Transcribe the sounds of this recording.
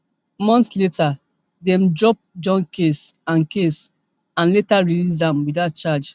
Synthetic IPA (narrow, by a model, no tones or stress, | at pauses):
mɔ̃ntsleta | dɛ̃mdɹɔp̚d͡ʒɔ̃nkesãnkes | ãnletaɹilisãmwidat̚t͡ʃad͡ʒ